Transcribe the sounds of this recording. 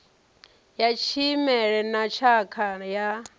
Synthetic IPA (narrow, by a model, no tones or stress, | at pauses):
jat͡ʃʰimɛɺɛnat͡ʃʰakʰaja